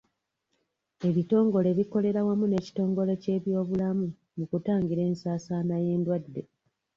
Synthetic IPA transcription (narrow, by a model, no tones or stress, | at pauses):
e̞βito̞ːŋɡo̞le̞βiko̞le̞ɾawamune̞ːci̥to̞ːŋɡo̞le̞ce̞ːβjo̞ːβulamu | mukutaːŋɡiɾe̞ːnsaːsanaje̞ːndwadːe̞